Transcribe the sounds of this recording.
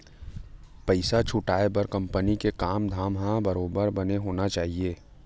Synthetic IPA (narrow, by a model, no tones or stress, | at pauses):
pɐɪsat͡ʃʰʊʈaːebɐɾkɐ̃mpənikekaːmd̪ʱaːmɦãbɐɾoːbəɾbɐneɦoːnat͡ʃaːɦieː